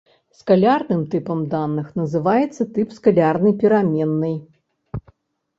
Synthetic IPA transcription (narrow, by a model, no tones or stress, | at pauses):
skalʲarnɨmt̪ɨpɐmd̪anːɨxnɐzɨvajɛt̪sːɐt̪ɨpskalʲarnɨjpʲiɾamʲɛnːɨj